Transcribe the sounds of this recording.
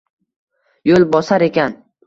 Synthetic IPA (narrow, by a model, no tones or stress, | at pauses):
jolˠbɒsaɾe̞kʲan